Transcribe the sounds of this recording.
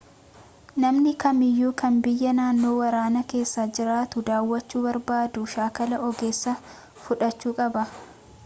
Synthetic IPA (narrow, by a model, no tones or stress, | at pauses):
nɐmnɪkɐmɪjːuːkɐnbɪjːɐnaːnːo̞ːwɐɾaːnɐke̞ːsːaːd͡ʒɪɾaːt̪ʊd̪aːwːɐt͡ʃːuːbɐɾbaːd̪uʃaːkɐlɐʔɔɡe̞ːsːɐ | fʊᶑɐt͡ʃːuːkʼɐbɐ